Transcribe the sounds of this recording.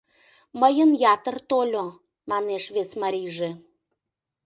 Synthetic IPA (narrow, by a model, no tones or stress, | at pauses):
məjənjɑt̪ərt̪olʲo | mɑneʃβesmɑɾʲijʒe